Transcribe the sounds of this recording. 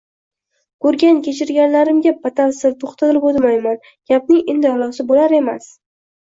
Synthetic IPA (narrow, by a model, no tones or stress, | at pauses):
kɵɾɡʲankʲe̞t͡ʃʰɪɾɡʲanlaɾɪmɡʲapʰat̪ʰalsɪlt̪ʰoχt̪ʰat̪ɪlɪpot̪majman | ɡ̥ʲap̚nɪŋend̪ɪhalˠɒsɪbolaɾe̞mas